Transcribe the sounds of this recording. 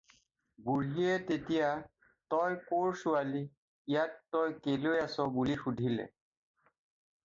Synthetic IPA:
buɹɦiɛtetija | tɔjkoɹsualiː | jatːɔjkelojasɔbulixudʱilɛ̰

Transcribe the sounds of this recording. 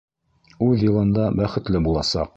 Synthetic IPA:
ʉðjɤ̆lˠɤ̆nd̪ɑbæχɘ̆t̪lɘbulˠɑsɑ̰q̚

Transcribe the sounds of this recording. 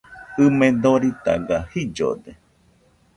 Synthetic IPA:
ɨmẽnd̪oɾit̪a̰ɡahid͡ʒo̰d̪e

